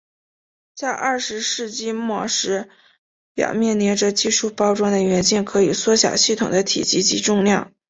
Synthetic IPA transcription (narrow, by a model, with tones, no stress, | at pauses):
t͡sa˥˧ɪʔɐ˥˩ʂɻ̩˧˥ʂɻ̩˥˧t͡ɕi˥˧mwɔ˥˩ʂɻ̩˧˥ | pjɑ̰˨˩ʊmjɛ˥˩nnjɛ˧˥ʈ͡ʂɤ˥˧t͡ɕi˥˧ʂu˥˩pɑ˥ʊʈ͡ʂwa˥ŋd̪ə˨ɥɛ˧˥nt͡ɕi˥˩nkʰɤ˧˥i˨˩swɔ˥ɕjɑ̰˨˩ʊɕi˥˩t̪ʰʊ˨˩ŋd̪ə˦t̪ʰḭ˨˩t͡ɕi˧˥t͡ɕi˧˥ʈ͡ʂʊ˥˧ŋljɑ˥˩ŋ